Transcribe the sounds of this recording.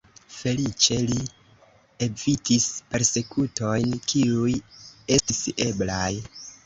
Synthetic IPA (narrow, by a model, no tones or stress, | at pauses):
fe̞lit͡ʃe̞li | evitispe̞ɾse̞kʰuto̞jnkʰiuje̞stise̞blaj